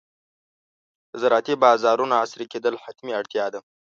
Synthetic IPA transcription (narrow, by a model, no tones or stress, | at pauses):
zaɾɑt̪ibɑzɑːɾunaasɾiked̪əlħat̪miaɽt̪jɑd̪a